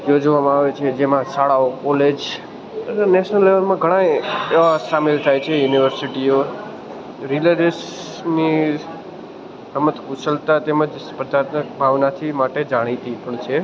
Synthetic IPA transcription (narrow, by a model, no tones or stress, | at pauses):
jod͡ʒʋamãaʋet͡ʃʰed͡ʒemãsaɭaokɔled͡ʒ | əneneʃnəlːeʋəlmãɡʱəɽ̃aeʋasamelt̪ʰajt͡ʃʰejuniʋəɾsiʈio | ɾiləɾəs | ni | səmət̪kusəlt̪at̪eməd͡ʒpəd̪ʱaɾt̪mək̚bʱaʋnat̪ʰimaʈed͡ʒaɽ̃it̪ipəɳt͡ʃʰe